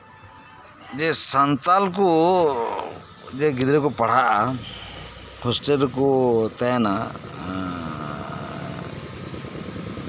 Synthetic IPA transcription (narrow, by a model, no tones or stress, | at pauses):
d͡ʒɛsant̪alku | d͡ʒɛɡid̪ɾɛkɔpaɽ̤aʔa | hɔsʈeɾkut̪ajana